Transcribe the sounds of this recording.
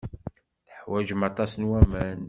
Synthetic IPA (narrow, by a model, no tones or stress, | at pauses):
θəħwæʒmɑt̪ˤɑsənwæmæn